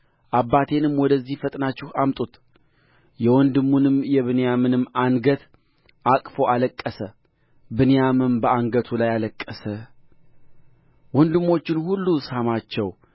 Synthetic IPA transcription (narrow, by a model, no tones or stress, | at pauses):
ʔabːat̪ʰe̞nɨmwɔd̪əzːihfət̪ʼnat͡ʃːɪhamt̪ʼut̪ | jɛwɔnd̪ɨmːunɨmjɛβɨnjamɨnɨmːaŋɡət̪ | ʔakʼfo̞aləkʼːəsə | bɨnjamɨnbəaŋɡət̪ʰulajaləkʼːəsə | wɔnd̪ɨmːo̞t͡ʃːɪnhulːushamat͡ʃːɛw